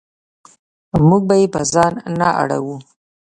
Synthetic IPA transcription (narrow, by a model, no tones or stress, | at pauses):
muɡ̚bajepəzɑnːaʔa̰ɽa̰wu